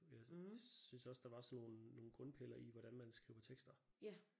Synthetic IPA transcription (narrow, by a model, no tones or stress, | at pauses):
jɑ̈ɪsynsɒ̽sd̥ɑ̈ʋɑ̈sɒnːo̝ːnːo̝ːn̩ɡ̥ʁɔ̽npʰel̰ɐiʋɒɾ̥ænmænsɡ̥ʁiʊ̰ɐt͡sʰeɡ̥sd̥ɐ